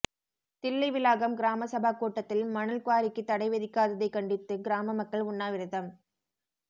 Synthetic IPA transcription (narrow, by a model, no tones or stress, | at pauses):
t̪ɪlːɐɪʋɪlaːɣɐmɡɪɾaːmɐsɐbʱaːkuːʈːɐt̪ːɪlmɐnɐlkʊaːlɪkːɯt̪ːɐɽɐɪʋɛðɪkːaːðɐðɐɪkɐɳɖɪt̪ːɯɡɪɾaːmɐmɐkːɐɭʊɳːaːʋɪɾɪðɐm